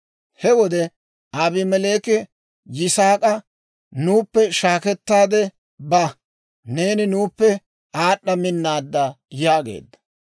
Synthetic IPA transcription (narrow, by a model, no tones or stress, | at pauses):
hɛwɔd̪ɛ | aːbɪmɛle̞ːkɛ | jɪsaːkʼɐ | nuːpːɛʃaːkɛt̪ːaːd̪ɛ | bɐ | ne̞ːnɪnuːpːɛ | aːɗːɐmɪnːaːd̪ːɐ | jaːɡḛːd̪ːɐ̥